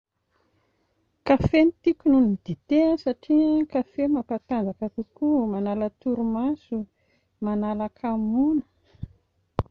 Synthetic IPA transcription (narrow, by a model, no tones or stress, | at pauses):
kafenit̪ikʲununid̪̥it̪eəsaʈ͡ʂikafemapat̪and͡zakak̪ukumanalət̪uɾumasu | manalakʰamunə̥